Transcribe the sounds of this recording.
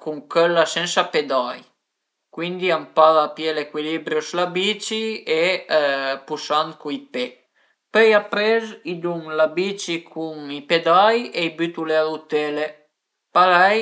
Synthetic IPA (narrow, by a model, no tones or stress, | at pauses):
kuŋkølːasɛnsaped̪aj | kwind̪iampaðapjelekwilibɾjoslabit͡ʃie | pusant̪̚kuipe | pɛjapɾezid̪uŋlabit͡ʃikʰuŋiped̪ajeibyt̪ulealut̪ele | palɛj